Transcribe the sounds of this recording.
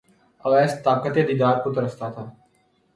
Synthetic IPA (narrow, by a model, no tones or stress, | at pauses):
əʋɛːst̪aːbkət̪eːd̪iːd̪aːɾkot̪oɾəst̪aːt̪ʰaː